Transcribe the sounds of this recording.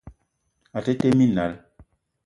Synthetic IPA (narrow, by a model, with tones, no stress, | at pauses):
a˨te˦te˦mi˦˨na˨˦l